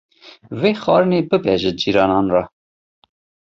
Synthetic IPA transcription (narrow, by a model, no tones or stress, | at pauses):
veːxɑːɾɨneːbɨbɛʒɨd͡ʒiːɾɑːnɑːnrɑ